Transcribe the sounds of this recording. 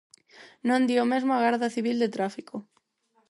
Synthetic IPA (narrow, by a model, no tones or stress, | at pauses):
nõnd̪iomezmoaɣaɾðaθiβ̞ild̪et̪ɾafikʰo